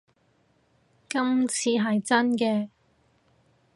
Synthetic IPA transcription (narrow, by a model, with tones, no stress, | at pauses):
kɐ˥mt͡sʰiː˧ɦɐ˨jt͡sɐ˥nkɛː˧